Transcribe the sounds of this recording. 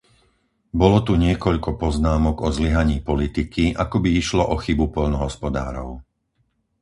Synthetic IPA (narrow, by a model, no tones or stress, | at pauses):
bɔlɔt̪uɲɪɛkɔʎkɔpɔznaːmɔɡɔzliɦaɲiːpɔlit̪ikiʔakɔbiiʃlɔʔɔxibupɔʎnɔɦɔspɔd̪a̰ːɾɔʊ